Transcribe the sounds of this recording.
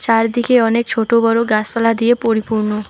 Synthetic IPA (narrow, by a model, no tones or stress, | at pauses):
t͡ʃaɾd̪ikʰeɔnek̚t͡ʃʰoʈobɔɾoɡaspalad̪iepoɾipuɾno